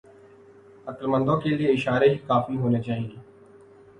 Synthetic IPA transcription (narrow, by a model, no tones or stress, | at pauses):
əkəlmə̃nd̪õːkelieɪʃaːɾeɦiːkaːfiɦoːneːt͡ʃaːɦĩŋɡeː